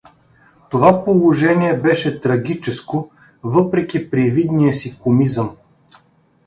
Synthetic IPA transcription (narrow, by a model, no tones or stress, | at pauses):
t̪ovapolˠoʒɛniɛbɛʃɛt̪ɾɐɡʲit͡ʃɛsko | vɤpɾɛkʲipɾivid̪nijəsikomizəm